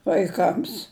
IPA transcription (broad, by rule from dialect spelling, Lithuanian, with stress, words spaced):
ʋɐɪˈkɐms